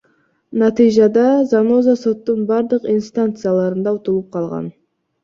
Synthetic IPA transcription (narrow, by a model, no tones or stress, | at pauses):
nɑt̪ijʒɑd̪ɑzɑno̞zaso̞t̪ːəɴbɑɾd̪əqinst̪ant̪sɨjalˠɑɾənd̪ɑot̪əlˠəp̚qʰɑlˠʁɑ̰n